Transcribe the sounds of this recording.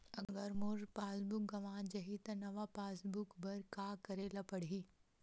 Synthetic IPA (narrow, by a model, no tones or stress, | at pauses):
ɐɡɡəɾmʊɾpaːsbʊk̚ɡɐʋãːd͡ʒɐɦit̪ɐnɐʋapaːsbʊkbɐɾkaːkɐɾeːlapɐɽ̤i